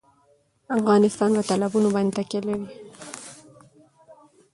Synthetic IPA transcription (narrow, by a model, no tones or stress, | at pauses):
afɣɑnɪst̪ɑnpat̪alabunobɑnd̪et̪akelawi